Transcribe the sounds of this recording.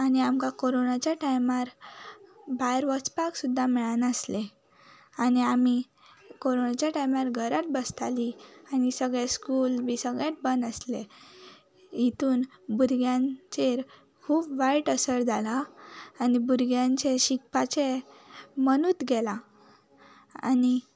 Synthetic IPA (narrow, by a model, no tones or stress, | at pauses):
aniamkakoɾonat͡ɕjaʈajmaɾ | bajɾʋət͡spaksud̪ʱːamiɭanəsle | aniami | koɾonat͡ɕjaʈajmaɾɡʱəɾat̪̚bəst̪ʰalianisəɡɭeskulbisəɡɭẽt̪̚bənd̪əsle | it̪uːnbuɾɡjãnt͡seɾ | kʰuːpʋaiʈəsəɾd͡zʱalaː | nibuɾɡjãɲt͡ɕeɕik̚pat͡ɕe | mənut̪ɡɛla | a̰ni